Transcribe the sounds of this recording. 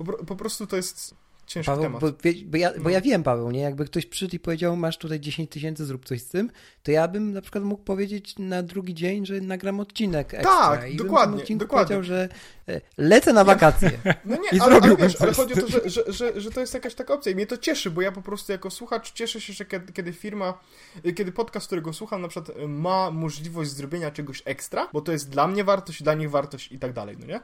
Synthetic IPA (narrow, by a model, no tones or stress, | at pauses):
pɔpɾɔpɔpɾɔst̪ut̪ɔjɛst̪ | t͡ɕɛ̃ʂkpavɛt̪ɛmatbɔvʲjɛbɔjabɔjavʲjɛmpavɛwɲɛjaɡ̚bɘkt̪ɔɕpʂɘʂɛt̪ipɔvʲed͡ʑawmaʂt̪ut̪ajd͡ʑeɕẽɲt͡ɕt̪ɨɕ̬ɛntsɘzɾup̚t̪sɔɕst̪ɘm | t̪ɔjabɘmnapʂɘ̥kwat̪muk̚pɔvʲjed͡ʑet͡ɕnad̪ɾuɡʲid͡ʑeɲʐɛnaɡɾamɔt̪t͡ɕinɛkɛ̰t̪akaibib̪d̪ɔmkwad̪ɪmɔtɛt͡ɕikd̪ɔupɔvaed͡ʑawʐɛ | lɛt̪sɛnavakat̪sʲjɛ̰nɔɲɛiaɾɔbʲivʲɛʂalɛxɔd͡ʑiɔɔɔʐɛɔʐɛʐɛʐɛt̪ɔjɛst̪jakaɕt̪akaɔp̚t̪sʲjaimɲɛt̪ɔt͡ɕɛʂɘbɔjapɔpɾɔst̪ujakɔswuxat͡ʂt͡ɕɛʂɛɕɛʐɛkʲɛd̪kʲɛd̪ɘfʲiɾma | kʲɛd̪ɘpɔt̪̚kask̚t̪uɾɛɡɔswuxamnapʂɨkwat̪mamɔʐlʲivɔʑd͡ʑzɾɔbʲjeɲat͡ʂɛɡɔɕɛkst̪ɾabɔt̪ɔjɛst̪̚d̪lamɲɛvaɾt̪ɔɕd͡ʑd̪laɲiɣvaɾt̪ɔɕt͡ɕit̪aɡ̚d̪a̰lɛ̰jnɔ̰ɲɛ